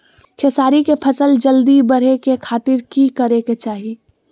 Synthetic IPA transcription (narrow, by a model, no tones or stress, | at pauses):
kʰeːsaːɾikepʰɐsəld͡ʒəld̪ibɐɽ̤ekekʰaːt̪ɪɾkikəɾeket͡ʃaːɦi